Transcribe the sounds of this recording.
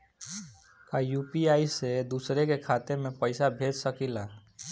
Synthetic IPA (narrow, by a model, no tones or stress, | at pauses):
kajupiaːised̪usɾekekʰat̪emẽpəɪsabʱed͡ʒ̪səkila